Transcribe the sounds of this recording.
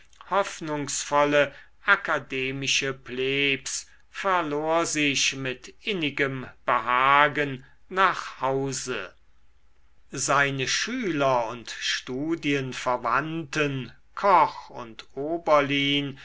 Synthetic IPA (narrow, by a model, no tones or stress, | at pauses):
hɔfnʊŋsfɔlə | ʔakadeːmɪʃəpleːps | fɛɐloːɐzɪʃmɪtʔɪnɪɡəmb̥əhaːɡənː | aːχhaʊzə | zaɪnəʃyːlɐʊntʃtuːdiənfɛɐvantən | kʰɔχʊ̰ntoːbɐliːn